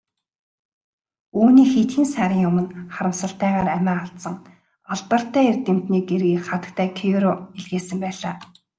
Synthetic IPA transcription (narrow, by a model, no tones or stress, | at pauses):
uːniːxet̪xiːnsæːɾʲɪ̆ŋjʊmə̆nχaɾə̆msə̆ɬt̪æːʁaːɾæmæːaɮt̪sə̆ŋ | ɔɮpə̆r̥t̪æːert̪em̥t̪niːɡerɣiːkχat̪ə̆k̚t̪ʰæːkʰijuɾoeɮɣeːsɘ̆mpæːɮaː